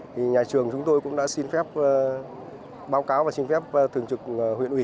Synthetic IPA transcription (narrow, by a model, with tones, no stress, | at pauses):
i˨˩ɲaː˨˩t͡ɕɨ˨˩əŋt͡ɕʊ˨˦ŋ͡mt̪o˧jkʊ̰˧˥ŋ͡mɗa̰ː˧˥si˧nfɛ˦˥p̚ː | ɓaː˨˦wkaː˨˦wvaː˨˩si˧nfɛ˦˥p̚ːt̪ʰɨ˨˩əŋt͡ɕɨ˨˩k̚ːɦwḭ˧˨ənʔi˧˩